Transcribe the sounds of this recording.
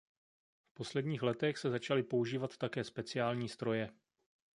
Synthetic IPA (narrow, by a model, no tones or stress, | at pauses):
fpo̞slɛdɲiːxlɛt̪ɛxsɛzat͡ʃalɪpo̞uʒiːvat̪ːakɛːspɛt͡sɪaːlɲiːst̪ɾo̞jɛ